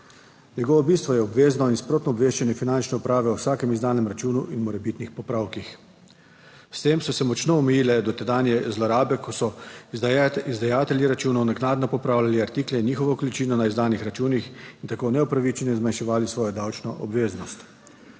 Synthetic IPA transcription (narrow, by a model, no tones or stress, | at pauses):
nɛɡɔːʋɔbiːst̪ʋɔjɛɔbʋeːznɔinspɾoːt̪nɔːbʋeːʃt͡ʃɛnjɛfinant͡ʃnɛupɾaːʋɛuwsaːkɛmizd̪aːnɛmɾat͡ʃuːnuʔinmɔɾɛbit̪nixpɔpɾawkix | st̪eːmsɔsɛmɔt͡ʃnɔɔmɛjiːlɛd̪ɔt̪ɛd̪aːnjɛzlɔɾaːbɛkɔsɔ | izd̪ajaːt̪ɛlʲjiɾat͡ʃuːnɔwnɛɡnaːd̪nɔpɔpɾaːwlʲaliaɾt̪iːklɛniːxɔʋɔkɔlit͡ʃiːnɔnaizd̪aːnixɾat͡ʃuːnixint̪akoːnɛupɾaʋit͡ʃɛnjɛzmanʃɛʋaːlisʋɔːjɔd̪awt͡ʃnɔʔɔbʋeːznɔst̪